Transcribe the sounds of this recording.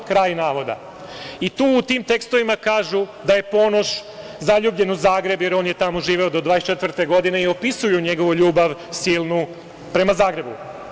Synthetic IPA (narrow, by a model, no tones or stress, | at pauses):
kɾaːjnaːʋo̞d̪a̰ | it̪uːt̪iːmt̪e̞kst̪o̞ʋimakaːʒud̪aje̞po̞no̞ʃ | zaʎubʎe̞nuzaːɡɾe̞bje̞ɾoːnje̞t̪amoʒiːʋeod̪o̞d̪ʋaːest͡ʃet̪ʋr̩t̪e̞ɡo̞d̪ine̞io̞pisujuɲe̞ɡo̞ʋuʎuːbaʋsiːlˠnu | pɾe̞mazaːɡɾe̞bṵ